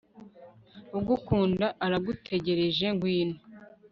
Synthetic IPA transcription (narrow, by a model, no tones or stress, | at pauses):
ubɡukuːndaʔaɾaɡutʰe̞ɟe̞ɾe̞ʒe̞ŋɡwiːno